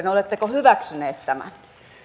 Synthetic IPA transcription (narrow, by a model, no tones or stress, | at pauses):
neolet̪ːekohyʋæksyneːt̪t̪æmæ̰n